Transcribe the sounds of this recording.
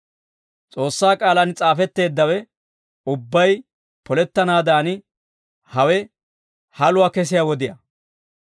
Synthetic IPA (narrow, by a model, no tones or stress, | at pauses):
t͡sʼo̞ːsːaːkʼaːlɐnt͡sʼaːfɛt̪ːe̞ːd̪ːɐwɛ | ʊbːɐj | pɔlɛt̪ːɐnaːd̪aːnɪ | hɐwɛ | hɐlʊaːkɛs̬ɪjawɔd̪ɪjɐ